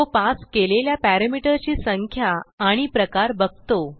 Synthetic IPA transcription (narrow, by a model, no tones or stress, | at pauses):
opaskeleljapæɾəmiʈəɾt͡ɕiːsəŋkʰjaːɽ̃ipɾəkaɾbəɡ̚t̪o